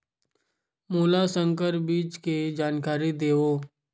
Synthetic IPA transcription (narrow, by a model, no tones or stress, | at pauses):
moːlasə̃ŋkəɾbiːt͡ʃked͡ʒaːnkaːɾid̪eːoː